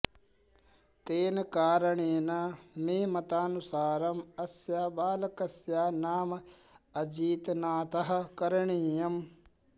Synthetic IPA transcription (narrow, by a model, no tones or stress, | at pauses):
t̪eːnkaːɾɐɳeːnameːmɐt̪aːnusaːɾɐmɐsjaːbaːlɐkɐsjaːnaːm | ɐd͡ʒiːt̪naːt̪ɐɦɐkɐɾɳiːjɐm